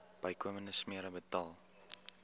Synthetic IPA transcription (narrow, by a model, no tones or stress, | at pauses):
b̥ɐjkʰuəmənəsmiəɾəbətɑːlˠ